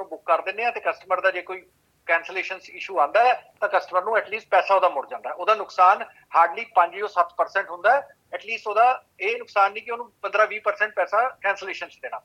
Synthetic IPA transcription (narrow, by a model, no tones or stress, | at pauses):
nũːbʊkːəɾd̪ɪnːeːãːt̪eːkəsʈəməɾd̪aːd͡ʒeːkoːiː | kɛ̃ːnsəleːʃənsɪʃuːãːnd̪aːɦɛːt̪ãːkəsʈəməɾnũːɛːʈliːsʈ̚pɛːsaːoːd̪aːmʊɽd͡ʒãːnd̪aɦɛːoːd̪aːnʊksaːn | haːɾɖliːpə̃ɲd͡ʒiːoːsət̪ːpəɾsɛ̃ːɳʈɦʊ̃nd̪aːɛː | ɛːʈliːsʈoːd̪aː | eːnʊksaːnːĩːkɪoːnũːpənd̪ɾaːʋiːpəɾsɛ̃ːɳʈ̚pɛːsaːkɛ̃ːnsəleːʃənsd̪eːɽ̃aː